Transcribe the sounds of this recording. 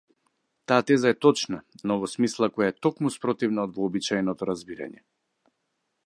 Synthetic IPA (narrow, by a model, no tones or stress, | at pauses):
t̪aːt̪ɛzaɛt̪ɔt͡ʃnanɔvɔsmislˠakɔjaɛt̪ɔkmuspɾɔt̪ivnaɔd̪vɔːbit͡ʃajnɔt̪ɔɾazbiɾa̰ɲɛ̰